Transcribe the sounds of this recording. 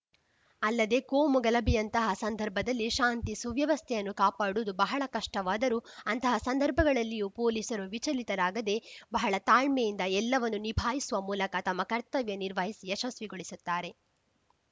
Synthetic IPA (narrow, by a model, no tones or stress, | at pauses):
ɐlːɐd̪e̞koːmuɡɐlɐbijɐnt̪ɐɦɐsɐnd̪ʱɐɾbʱɐd̪ɐlːiʃaːnt̪isuʋjɐʋɐst̪ʰɛjɐnːukaːpaːɽuːd̪ubɐɦɐɭɐkɐʂʈɐʋaːd̪ɐɾuɐnt̪ɐɦɐsɐnd̪ʱɐɾbʱɐɡɐɭɐlːijuːpoːliːsɐɾuʋit͡ʃɐlit̪ɐɾaːɡɐd̪e̞bɐɦɐɭɐt̪aːɭmejind̪ɐɛlːɐʋɐnːunibʱaːjisuʋɐmuːlɐkɐt̪ɐmːɐkɐɾt̪ɐʋjɐniɾʋɐɦisiɛʃɐsʋiɡoɭisut̪ːaːɾe̞